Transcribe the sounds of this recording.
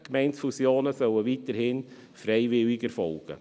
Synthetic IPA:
kmɛɪntfusjoːnəsœləviːtəɾhɪn | fɾɛɪvɪlɪɡəɾfɔlɡ̥ə̰

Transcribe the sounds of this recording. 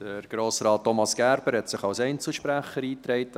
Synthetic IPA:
d̥əɾɡ̥ɾoːsɾɑːtːɔmɑsɡ̥æɾb̥əɾhɛtsɪχɑwsɛɪnt͡sl̩ˠʃpɾæχəɾiːt̪ɾɛɪt

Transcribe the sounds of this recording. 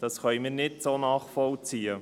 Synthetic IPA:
d̥ɑsχœʏmɪːɾnɪtsoːnɑːχfɔlt͡siːə

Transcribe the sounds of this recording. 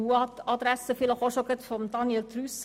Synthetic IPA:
uːɑt̪ɑd̪ɾɛsəfɪlɑhɔʃɔkət̪fɔmd̪ɑnjɛlt̪ʰɾʉs

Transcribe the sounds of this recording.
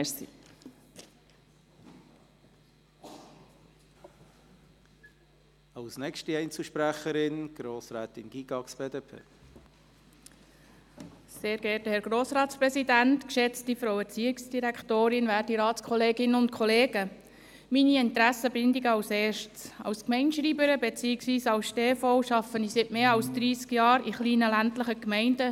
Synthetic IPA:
sḭ | ɑlsnɛkʃtiɛɪnt͡suʃpɾæχəɾɪnɡ̥ɾoːsɾɛːt̪ɪnɡ̥iɡ̥ɑksb̥eːd̪eːpʰḛː | seːɾɡɛthɛɾɡ̥ɾoːsɾɑːtspɾɛsidæntkʃɛt͡stifɾoʊɛɾt͡siːɪksd̥iɾæktoːɾɪnʋæːɾdiɾɑːtt͡skʰɔleːɡɪnəʊnt̚kʰɔleːɡə | miniɪnt̪ɾæsəbɪndiɡəɑwseːʃtt͡sɑ̰ʊskmɛɪnʃɾiːbəɾəbet͡siːɪksʋiːsɑlsʃteːfɔʊʃɑfənisɪtmeːɑlsd̥̪ɾiːskjɑːɾiχliːnəlæntləχəkmɛɪndə

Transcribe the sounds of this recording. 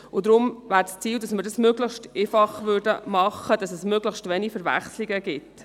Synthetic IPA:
ʊdɾʊmvæːɾst͡siːldɑsməɾdɑsmøɡləχʃtefɑχʋʏɾdəmɑχːəd̥ɑsɛsmøɡləχʃtvɛnifəɾvæ̰χsliɡəɡɪt

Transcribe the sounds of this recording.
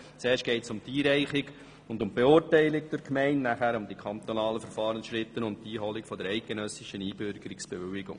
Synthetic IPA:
t͡seːʃtɡ̥ɛɪtsʊmtiːɾɛɪχɪɡ | ʊndʊmbeʊːɾtæɪlɪkd̥̪ɪɾkmɛɪnnæχæɾʊmd̪ikʰɑnt̪onɑːləfəɾfɑːɾənsʃɾɪt̪ːənʊnd̚tiːɦɔlɪkfɔd̪əɾɛɪt̚ɡ̥enœsɪʃəniːbʏɾɡ̥əɾɪksb̥eʋʏlɪɡʊ̰ŋ

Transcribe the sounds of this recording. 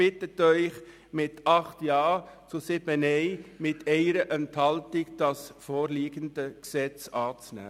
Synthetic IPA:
b̥ɪtətœʏχ | mɪtɑχtjɑːt͡sʊsɪb̥ənɛɪmɪtʰɛɪɾəʔɛnthɑltɪkd̥ɑsfoːɾliːɡəndəksɛt͡sɑːt͡snæ̰ː

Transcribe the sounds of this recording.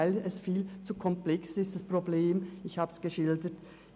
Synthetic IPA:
ɪlɛsfiːlt͡sukʰɔmplɛksɪstd̥aspʁ̥obleːmɪçhaːbsɡ̥əʃɪldət

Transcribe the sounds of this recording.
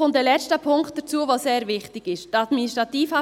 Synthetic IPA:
ʊntdɛlɛt͡stəpʰʊŋkt̚d̥ət͡suːəvoːseːɾvɪχtɪɡ̥ɪʃtɑd̪ministʁɑt̪iːfɑ

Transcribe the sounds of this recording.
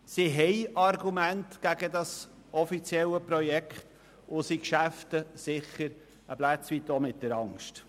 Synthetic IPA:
siɦɛɪɑrɡumæntɡ̥æɡədɑs | ʔɔfit͡sjɛləpɾɔjɛkχt | ʊsikʃæftəsɪχəɾ | əblæt͡sʋitomɪt̚d̥əɾɑŋʃt

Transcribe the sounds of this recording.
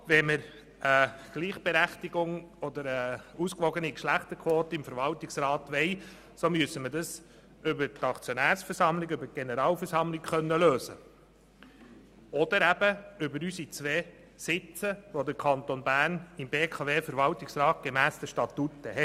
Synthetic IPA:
ʋɛməɾ | əɡ̥liːχb̥eɾæχt̪iɡʊŋɔd̪əɾəuskʋɔɡənikʃlæχt̪əkʰʋoːt̪əɪmfəɾʋɑltɪksrɑːt̪ʋɛɪ | somyəsəmədɑs | ʏbəɾtɑkt͡sjonæːɾsfəɾsɑmlɪɡʏbət̚ɡ̥enəɾɑːlfəɾsɑmlɪkχœnːəløːsə̰ | ɔd̪̥əɾæb̥əʏbəɾysit͡sʋeː | sɪt͡səʋod̪əɾkʰɑnt̪onbæːɾnɪmbeːkʰɑveːfəɾʋɑltɪksrɑːt̚ɡ̥emæːsd̪əʃtɑt̪utːəhɛ

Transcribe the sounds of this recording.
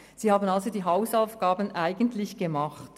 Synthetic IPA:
z̥iːhaːbən̩alzodiːɦaʊsaʊfɡ̥aːbənʔaɪɡəntʰlɪçɡ̥əmaχt

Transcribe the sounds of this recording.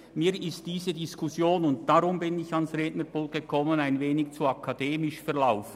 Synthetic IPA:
miːɾɪst̚d̥iːzədiskʰʊsjoːnʊnt̚d̥aɾʊmbɪnɪçɑnsʁeːtnəɾb̥ʊlɡ̥əkʰɔmənaɪnveːnɪçt͡suɑkʰɑd̥eːmɪʃfɛʁlaʊf

